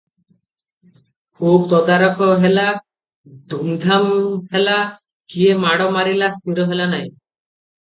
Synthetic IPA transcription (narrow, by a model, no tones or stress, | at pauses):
kʰubt̪ɔd̪aɾɔkɔɦela | d̪ʱumd̪ʱamɦela | kiemaɽɔmaɾilast̪ʰiɾɔɦelanaj